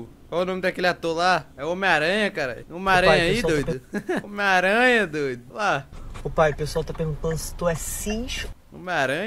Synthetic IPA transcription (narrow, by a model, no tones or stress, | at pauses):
kwawunõmɪd̪akelɪat̪oɾlaɛõmẽaɾɐ̃ɲɐkaɾa̰jõmẽaɾɐ̃ɲɐaid̪ojd̪ʊmẽaɾɐ̃ɲɐd̪ojd̪ʊlaopajpeswawt̪apeɡũt̪ɐ̃sɪ̥t̪uɛsĩʃʊ̥ | õ̰meaɾɐ̃ɲ